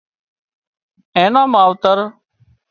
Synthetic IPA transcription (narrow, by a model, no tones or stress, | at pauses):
ẽːnãːmaːʋt̪əɾ